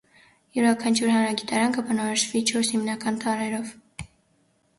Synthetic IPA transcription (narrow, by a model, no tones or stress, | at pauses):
juɾɑkʰɑnt͡ʃʰuɾɦɑnɾɑɡit̪ɑɾɑnkəbənɔɾɔʃvit͡ʃʰɔɾshimnɑkɑnt̪ɑɾɛɾɔv